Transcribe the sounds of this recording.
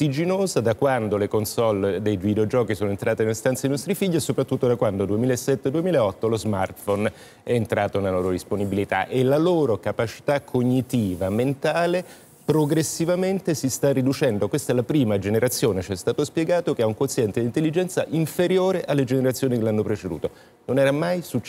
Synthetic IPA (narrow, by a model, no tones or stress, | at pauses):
t̪id͡ʒinoːzad̪akwand̪olekonsɔlːd̪ejvid̪eod͡ʒɔːkisoːnoent̪ɾaːt̪enelst̪ant̪sad̪inɔst̪ɾifiʎːiesːopɾat̪ːut̪ːod̪akwand̪od̪uemiːlaesːɛt̪ːed̪uemilaeɔt̪ːolozma̰rt̪fɔn | ɛːnt̪ɾaːt̪onaloːɾod̪isponibilit̪a̰ʔelaloːɾokapat͡ʃi̥t̪akʰːoɲːit̪iːvament̪aːle | pɾoɡɾesːivament̪esist̪arːid̪ut͡ʃɛnd̪okwest̪aɛlapɾiːmad͡ʒeneɾat̪sːjoːnet͡ʃɛst̪aːt̪ospjeɡaːt̪okeauŋkont̪sjɛnt̪ed̪int̪elːid͡ʒɛnt̪saʔiɱfeɾjoːɾeʔalːed͡ʒeneɾat̪sjoːnikelanːopɾet͡ʃed̪ṵːt̪o | nonɛːɾamajsut͡ʃː